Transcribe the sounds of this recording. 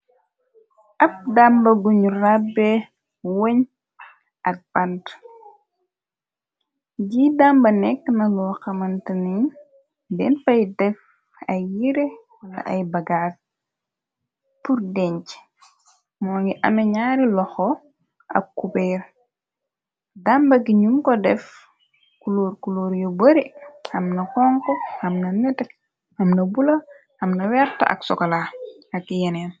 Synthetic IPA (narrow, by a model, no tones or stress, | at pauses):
ʔɐp̚dambɐɡuɲurabɛ | woɲ | ʔɐk̚b̥ɐnt | ɟidambɐnɛkːnɐlɔːxɐmɐntəniɲ | bɛnfɐjdɛf | ɐjiɾe | ɐ̰ʔɐjbɐɡaːr | purdɛɲt͡ʃ | mɔːŋɡiʔɐmɛɲaːɾilɔxɔ | ɐ̰kːupɛːɾ | dambɐɡiɲumkɔdɛf | kuloːɾkuloːɾjɔboɾihɐmnɐkɔŋkohɐmnɐnɛtɛ | hɐmnɐbulɐ | hɐmnɐwɛɾtɐ̰ʔɐ̰ksɔkɔla | ɐkːijɛnɛːn